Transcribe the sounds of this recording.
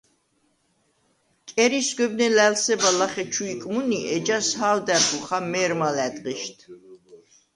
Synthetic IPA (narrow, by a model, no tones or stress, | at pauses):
kʼɛɾisɡʷɛbnɛlælsɛbalaχɛt͡ʃʰuikʼmuniʔɛd͡ʒashaːld̪æbʰuχamɛɾmalæd̪ʁiʃt̪ʰ